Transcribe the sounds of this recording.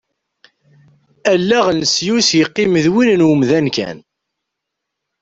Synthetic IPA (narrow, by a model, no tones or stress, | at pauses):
ælːæʁnəsjusjəqːiməðwinnwəmðænkæ̰n